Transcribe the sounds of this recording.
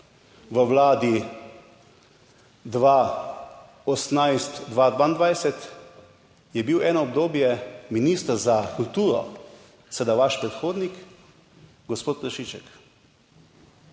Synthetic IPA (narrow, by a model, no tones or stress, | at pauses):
ʋəʋlaːd̪i | d̪ʋa | ɔsnajst̪d̪ʋaːd̪ʋand̪ʋajsɛt̪ | jɛbiwɛːnɔɔbd̪oːbjɛminiːst̪əɾzakult̪uːɾɔ̰ | səd̪aʋaʃpɾɛt̪xoːd̪nik | ɡɔspoːt̪kəʃit͡ʃɛk